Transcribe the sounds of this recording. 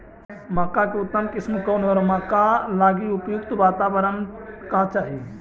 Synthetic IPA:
maːkakeʊt̪ːəmkɪsmkoːnɦɔːɾmakalaːɡiupjukt̪ʋaːt̪abəɾənkat͡ʃaːɦi

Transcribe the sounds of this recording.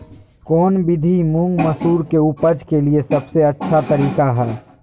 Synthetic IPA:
kɔːnbɪd̪ʱimũŋɡməsuːɾkeupəd͡ʒkeliesɐbseɐtːʃʰat̪əɾiːkaɦɛː

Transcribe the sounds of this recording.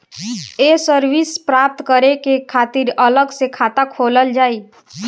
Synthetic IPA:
esəɾwispɾaːp̚t̪kəɾekekʰaːt̪ɪɾələɡsekʰaːt̪akʰoːləld͡ʒaːiː

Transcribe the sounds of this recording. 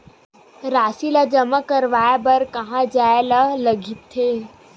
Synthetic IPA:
ɾaːsilad͡ʒəmakəɾʋaːjabɐɾkɐɦãd͡ʒaːelalɐɡʱit̪ʰːeː

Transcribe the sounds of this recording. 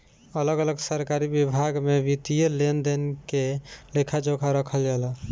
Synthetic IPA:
ələɡələɡsəɾkaɾibibʱaɡmebit̪ijəlend̪enkelekʰad͡ʒokʰaɾəkʰəld͡ʒala

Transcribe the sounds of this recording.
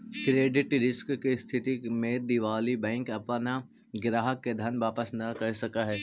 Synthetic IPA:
kɾeːɖɪʈɾɪskkist̪ʰɪt̪imẽd̪iʋaːlibɛ̃ːŋkɐpna | ɡɪɾaːɦəkːed̪ʱɐnʋaːpəsnɐkɐɦsɐkaɦɛː

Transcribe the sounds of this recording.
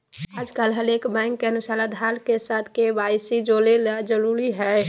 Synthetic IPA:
aːd͡ʒkəlɦəlekbɛ̃ːŋkːeənʊsaːlad̪ʱalkesaːt̪ʰkebaːɪsid͡ʒolelad͡ʒəɾuɾiɦɛ

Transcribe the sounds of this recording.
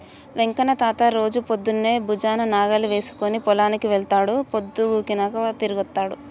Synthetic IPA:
ʋeŋkɐnɐt̪aːt̪ɐɾo̞ːd͡ʒupod̪ːunːe̞ːbʱud͡ʒaːnɐnaːɡɐluʋe̞ːsu̥konipɔlaːnikiʋɛɭt̪aːɽupod̪ːuɡuːkinaːkɐt̪iɾuɡɐt̪ːaːɽu

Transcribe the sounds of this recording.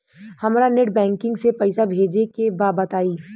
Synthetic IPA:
hɐmːɾanɪʈ̚bɛ̃ːŋkɪ̃ŋɡsepɐɪsabʱeːd͡ʒekebaːbət̪aːiː

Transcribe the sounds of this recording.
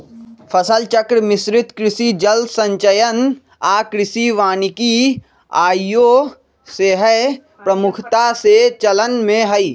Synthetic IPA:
fʰəsəlt͡ʃəkɾmɪsɾɪt̪kɾɪsid͡ʒəlsə̃ɲt͡ʃəjən | aːkɾɪsiʋaːniki | aːjo | seɦə | pɾəmʊkʰt̪aset͡ʃələnmẽɦəi

